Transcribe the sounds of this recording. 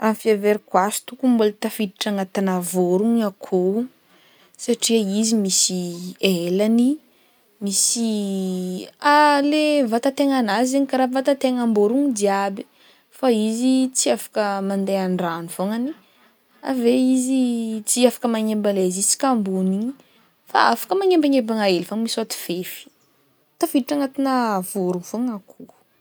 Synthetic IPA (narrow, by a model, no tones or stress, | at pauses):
amfiaveɾikwasu̥t̪ukubolat̪afid̪iʈ͡ʂaŋat̪anavoɾuɲakʰo | saʈ͡ʂiəizimisielani | misi | alevat̪at̪eŋanazeɲikaɾavat̪at̪eŋamboɾuŋid̪iabi̥ | faizit͡siafḁkəmand̪eaɳɖ͡ʐanuvoŋani | a̰veizit͡siafḁkəmaŋembalezit͡si̥kambuni | fa̰afḁkəmaŋembaŋembaŋaelifaŋmisat̪i̥v̥efi̥ | t̪afiʈ͡ʂaŋat̪inəvuɾuŋv̥oŋakʰuu̥